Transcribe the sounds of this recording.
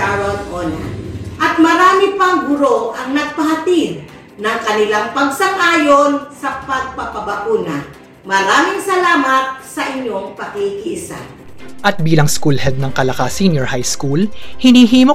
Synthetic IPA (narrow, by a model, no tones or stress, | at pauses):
aɹɐld̪ʔonɐ̰ʔɐt̪̚mɐɾaːmɪpɐŋɡʊɾoʔɐŋnɐɡ̚pɐɦɐt̪id̪̚ | nɐŋkɐnɪlaŋpɐɡ̚sɐŋʔaːjonsɐpɐɡ̚pɐpɐbɐkuːnɐ | mɐɾaːmɪŋsɐlaːmɐt̪̚sɐʔɪɲːo̞ŋpɐkikiʔɪsa̰ | ʔɐt̪̚biːlɐŋskulhɛd̪̚nɐŋkɐlɐkaːsinjɔɹhajskulhɪnhiɦiːmo